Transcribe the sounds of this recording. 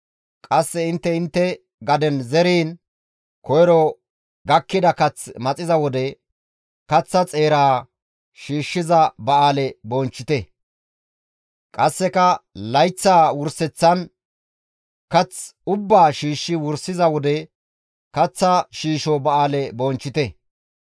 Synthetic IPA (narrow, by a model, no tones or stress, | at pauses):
kʼɐsːɛɪnt̪ːɛɪnt̪ːɛ | ɡɐd̪ɛnzɛɾiːn | kɔjɾɔ | ɡɐkːɪd̪ɐkɐt͡smɐt͡sʼɪzɐwɔd̪ɛ | kɐt͡sːɐt͡sʼe̞ːɾaː | ʃiːʃːɪzɐbɐʔaːlɛbɔnt͡ʃːɪt̪ɛ | kʼɐsːɛkɐlɐjt͡sːaːwʊɾsɛt͡sːɐn | kɐt͡sʊbːaːʃiːʃːɪwʊɾsɪzɐwɔd̪ɛ | kɐt͡sːɐʃiːʃɔbɐaːlɛboːnt͡ʃːɪt̪ɛ